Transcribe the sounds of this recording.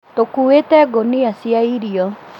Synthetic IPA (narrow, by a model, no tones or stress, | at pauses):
tokuwetɛɡonɪasiaiɾiɔ